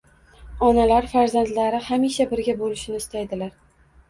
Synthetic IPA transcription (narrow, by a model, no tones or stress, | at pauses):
ɒnalaɾfaɾzand̪laɾɪhamiʃabɪɾɡʲabolɪʃɪnɪɪst̪ajd̪ɪlaɾ